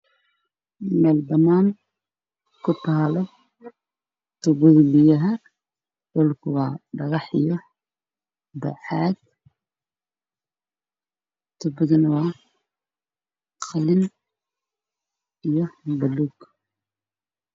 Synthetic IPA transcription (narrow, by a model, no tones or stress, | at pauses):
mɛːld̪ɐmaːn | kʰʊt̪ʰaːlɔ | t̪ʊbʊɣlɪjɐɦɐ | dɔlkʰʊwɑːɖɐɣɑħḭjɔ | bɐ̰ħaːd̪ | t̪ʰʊbʊðɪnwɑː | qʰɑlɪn | ijɔbɐluːɡ